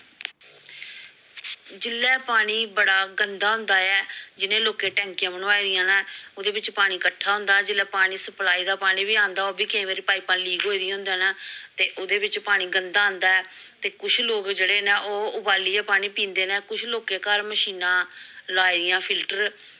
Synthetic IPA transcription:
d͡ʒɪlːɛːpaːɽ̃iːbəɽaːɡənd̪aːɦʊ̃nd̪aːɛːd͡ʒɪnẽːloːkeːʈɛ̃ːŋkjãːbəñoaːiːd̪ɪjãːnaːoːd̪eːbɪt͡ʃpaːɽ̃iːkəʈʰːaːɦʊ̃nd̪aːd͡ʒɪlːɛːpaːɽ̃iːsəplaːiːd̪aːpaːɽ̃iːbiːãːnd̪aːoːbiːkɪĩːʋeːɾiːpaːiːpãːliːɡɦoːiːd̪ijãɦʊnd̪eːnaːt̪eːʔoːd̪eːbɪt͡ʃpaːɽ̃iːɡənd̪aːnd̪aːɛː | t̪eːkʊt͡ʃʰloːkd͡ʒeːɽeːneːʔoːʊbaːliːaːpaːɽ̃iːpĩːnd̪eːnɛ̃ːkʊt͡ʃʰloːkeːkəɾməʃiːnãːlaːiːd̪ɪjãːpʰɪlʈəɾ

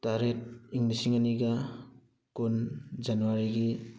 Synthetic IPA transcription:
taɾet̚iŋlisiŋaniɡa | kund͡ʒanuwaɾiɡi

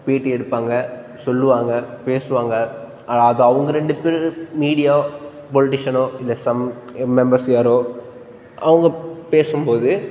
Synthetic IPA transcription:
ʋiːʈːɯɛɽɯpːaːŋɡɐ | sɔlːɯʋaːŋɡɐpeːsɯʋaːŋɡɐ | ʔɐːlaːðɐɐʋɐŋɡɐɾɛɳɖɯpeːɾmiːɽɪjaː | pɔlɪʈɪʂɐnoːɪlːɛsɐmmɛmbɐɾsɪjaɾoː | ʔɐʋɐŋɡɐpeːsɯmpoːðɯ

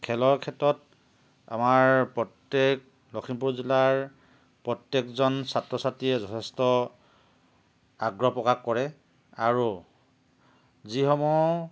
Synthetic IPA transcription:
kʰɛlɔɹkʰɛtɔt̚ | a̰maɹpɹɔtːek̚ | lɔkʰimpuɹzilaɹ | pɹɔtjekzɔnsatɹɔsatiɛzɔtʰɛstɔ | aɡɹɔpɹɔkakːɔɹɛ | aɹu | zixɔmɔj

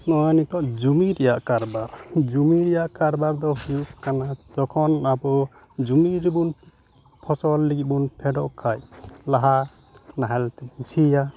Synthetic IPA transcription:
nɔjanit̪ɔʔd͡ʒumiɾɛjaʔkaɾbaɾd͡ʒumiɾɛjaʔkaɾbaɾd̪ɔhujukkanad͡ʒɔkʰɔnabɔ | d͡ʒumiɾibun | pʰɔsɔlːiɡit̪̚bunpʰɛɖɔʔkʰajlaɦa | naɦɛlt̪ɛsija

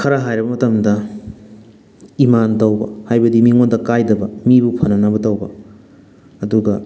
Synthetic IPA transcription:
kʰɐɾɐɦajɾɐbɐmɐtɐmdɐ | imantɐwbɐ̰hajbɐdimiŋondɐkajdɐbɐmibupʰɐnɐnɐbɐtɐwbɐ̰ | ɐduɡɐ

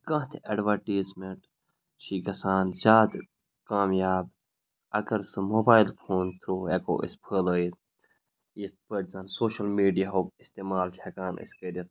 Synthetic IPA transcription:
kɐ̃ːɦt̪ʰeɖʋɐɾʈiːzmeʈ | t͡ʃʰiːɡɐsaːnzʲaːd̪ | kaːmjaːb | ɐɡɐɾsɨmoːbaːjilpʰoːnt̪ʰɾuːeko̰ːʔḭspʰələːit̪ | ispəʈzɐnsoːʃɐlmiːɖijaɦoːkist̪eːmaːlt͡ʃʰekaːnḭskeɾʲit̪̚

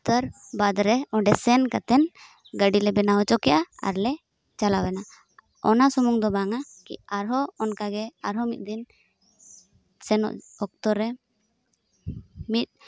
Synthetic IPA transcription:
t̪əɾbad̪ɾɛɔɖɛsɛnkat̪ɛn | ɡəɖilɛbɛnawɔt͡ʃɔkɛʔaa̰ɾlɛ | t͡ʃalawɛna | ɔnasɔmuŋd̪ɔbaŋakḭaɾɦɔɔnkaɡɛaɾɦɔmit̪̚ˀd̪in | sɛnɔ̰ʔɔk̚t̪ɔɾːɛ | mit̪̚ˀ

